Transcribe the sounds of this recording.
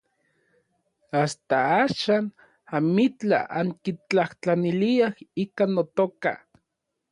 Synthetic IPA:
ast̪aaːʃan | amit͡ɬa̰ʔaŋkit͡ɬaht͡ɬaniliahikanːot̪oka̰

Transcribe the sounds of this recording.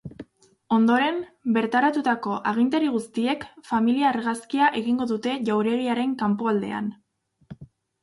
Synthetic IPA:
o̞nd̪o̞ɾe̞mbe̞ɾt̪aɾat̪ut̪ako̞ʔaɣ̞int̪̬eɾiɣust̪ie̞kfamiliaːɾɣaskiaʔe̞ɣiŋɡo̞ðut̪e̞ʝawɾe̞ɾiaɾe̞ŋkampoald̪e̞̰a̰n

